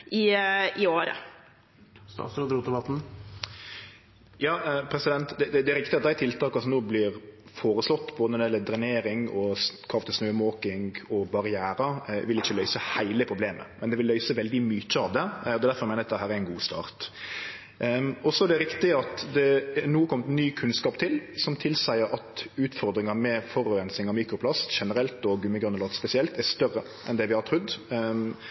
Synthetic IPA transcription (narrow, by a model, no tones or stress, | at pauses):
ʔɪɪoːɾə̰ | st̪ɑ̰ːsɾɑd̪ɾuːt̪əbɑt̪n̩ | jɑːpʰɾɛsɪd̪ɛnt̪d̪ɛd̪ɛd̪ɛæɾɪkt̪ɪɑt̪̚d̪æɪt̪ʰɪlt̪ʰɑːkɑsɔmnoːblɪɾ | foːɾəslɔt̪ːboːd̪ənɔd̪ɛjɛlːəd̪ɾɪneːɾɪŋɔskʰɑft̪əsnøːəmoːkɪŋɡɔbɑɾɪæːɾɑʋɪlɪçːəlœʏsəhæɪləpʰɾʊbleːmə̰mɛnd̪ɛʋɪlːœʏsəʋɛld̪ɪmyt͡ʃːəɑʋd̪ɛɔd̪ɛd̪æɾfɔɾmæɪnəɑt̪d̪ɛɦæːɾɛɾɪnɡuːst̪ɑ̰ːɾt̪ | ɔsɔæɖɛɾɪkt̪ɪəɑt̪d̪ɛnuːkʰɔmːt̪nyːkʰʉnskɑːpt̪ʰɪlsɔmt̪ʰɪlsæɪəɾʔɑt̪ʉːt̪fɔɾd̪ɾɪŋɑmɛfɔɾʉːɾɛnsɪŋɑʋmiːkɾʊpʰlɑsʃɛnəɾɛlt̪ɔɡʉmːəɡɾʉnːəlɑːt̪spɛsɪɛlt̪æɾst̪œrə | ʔɛnd̪ɛʋɪhɑʈ̪ʰɾʉd̪ː